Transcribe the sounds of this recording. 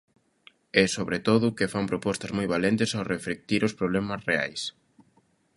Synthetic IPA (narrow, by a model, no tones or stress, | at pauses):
ɛsoβɾet̪oðʊkɪfampɾopɔst̪ɐzmojβalent̪ɪsawrefɾek̚t̪iɾospɾoβlɛmɐsrea̰js